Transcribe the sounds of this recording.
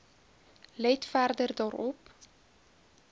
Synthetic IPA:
lɛjtfærdərdɑːɾɔp

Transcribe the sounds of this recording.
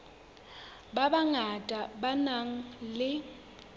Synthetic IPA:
babaŋatʼabanaŋ̩lɪ

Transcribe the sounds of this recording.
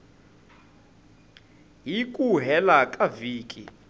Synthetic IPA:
ɦikʼuɦɛlakʼaviːkʼḭ

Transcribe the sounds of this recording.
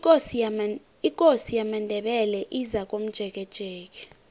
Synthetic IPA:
ikʼosijamandʱɛɓɛlɛʔizak̬ʼom̩d̥ʒ̥ʱɛk̬ʼɛd̥ʒ̥ʱɛːk̬ʼɛ̥

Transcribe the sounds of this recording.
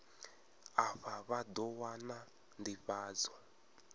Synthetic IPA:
aβaβad̪ɔwana | ndiβaːd͡zɔ

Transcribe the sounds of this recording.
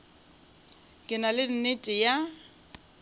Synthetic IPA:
kʼɪnalɪn̩netʼɪja

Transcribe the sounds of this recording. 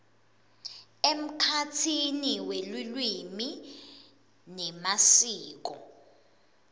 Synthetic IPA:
em̩kʰatʰiniwelulwimi | nɛmasiːk̬ɔ̰

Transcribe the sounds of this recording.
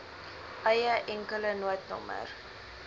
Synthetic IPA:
ʔɐjəʔɛŋkələnuətnɔ̰mə̰r

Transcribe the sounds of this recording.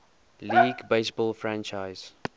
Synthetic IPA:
liːɡbeɪsbɔlfɹãnt͡ʃaɪz̥

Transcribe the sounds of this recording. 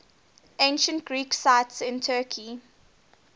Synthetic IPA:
ʔẽɪ̃nʃə̃ntɡɹiːksaɪtsɪ̃ntʰɜːkʰi

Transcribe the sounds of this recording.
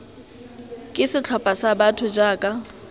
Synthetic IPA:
kʼɪsɪt͡ɬʰɔpʼasabatʰʊd͡ʒaːkʼa

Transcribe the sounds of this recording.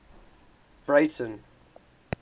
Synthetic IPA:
b̥ɹeɪtə̃n

